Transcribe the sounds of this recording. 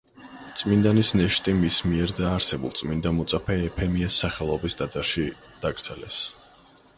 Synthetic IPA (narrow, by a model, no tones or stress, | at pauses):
t̪sʼmind̪anisnɛʃt̪ʼimismiɛɾd̪aːɾsɛbṵlˠt̪sʼmind̪amɔt̪sʼapʰɛɛpʰɛmiɛsːaχɛlˠɔbisd̪ad̪zaɾʃi | d̪̥aɡɾd̪z̥ɛlɛ̰s